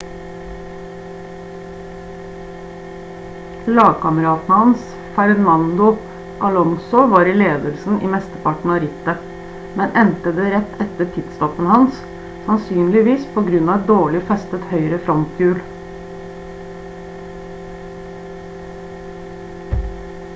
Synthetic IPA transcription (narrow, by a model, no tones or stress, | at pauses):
lɑːɡkɑməɾɑːt̪n̩hɑns | fæɾnɑnd̪ʊ | ʔɑlɔŋsʊʋɑːɾileːd̪əlsn̩ʔḭːmɛst̪əpɑʈɳ̩ɑːɾɪt̪ə | mɛnʔɛnt̪əd̪eːɾɛt̪ʰːɛt̪əʈʰɪd̪st̪ɔfənhɑns | sɑnsyːnlɪʋiːspʰoːɡɾʉnɑːɛt̪̚d̪oːɭɪfɛst̪ət̪hœʏɾəfɾɔnt̪ɡʉːl